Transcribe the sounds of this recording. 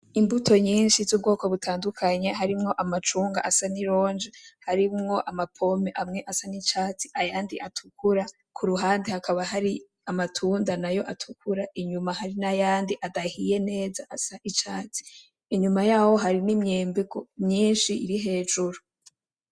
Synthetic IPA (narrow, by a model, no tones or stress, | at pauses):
imbutʰo̞ɲiːnʃizuːb̚ɡo̞ːko̞βutʰaːndukʰaɲe̞ɦaɾimŋo̞ʔamat͡ʃuːŋɡa̰ʔasaniɾo̞ːnd͡ʒehaɾimŋo̞ʔamapʰo̞me̞ʔamŋe̞ʔasanit͡ʃaːt͡siʔajaːndiʔatʰukʰuɾa | kʰuɾuɦaːndihakaβaɦaɾi | amatʰuːndanajo̞ʔatʰukʰuɾaʔiɲumahaɾinajaːndiʔadahije̞ne̞ːzaʔasaʔit͡ʃaːt͡si̥ː | ɲumajaːho̞ɦaɾinimɲeːmbeɡomɲiːnʃiʔḭɾiɦe̞ːd͡ʒuɾu